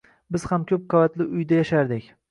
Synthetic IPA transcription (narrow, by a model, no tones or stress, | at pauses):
bɪz̥hamkʲʰɵp̚qʰɑvat̪lɪʊjd̪ajaʃaɾd̪ɪkʲ